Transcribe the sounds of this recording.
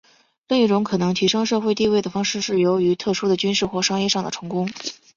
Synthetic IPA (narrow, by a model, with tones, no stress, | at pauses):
le˥˧ɪi˥˩ʈ͡ʂʊ˧˥ŋkʰɤ˨˩nɤ˧˥ŋt̪ʰi˧˥ʂɤ˥ŋʂɤ˥˧xwe˥˧ɪt̪i˥˧we˥˩ɪd̪ə˩fɑ˥ŋʂɻ̩˥˧ʂɻ̩˥˩jo˧˥ʊy˧˥t̪ʰɤ˥˩ʂu˥d̪ə˨t͡ɕy˥nʂɻ̩˥˩xwɔ˥˩ʂɑ˥ŋjɛ˥˧ʂɑ˥˩ŋd̪ə˩ʈ͡ʂʰɤ˧˥ŋkʊ˥ŋ